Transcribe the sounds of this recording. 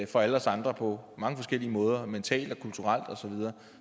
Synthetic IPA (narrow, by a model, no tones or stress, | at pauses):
fɒ̽ælɐsɑ̈nd̥ʁɐpʰɒ̽mɑ̈ŋəfɒ̽sɡ̥el̰iəmɔ̽ːð̞ˠɐment͡sʰɛ̰ːld̥ɒkʰult͡sʰuʁal̰d̥ɒ̽sɒ̽ʋið̞ˠɐː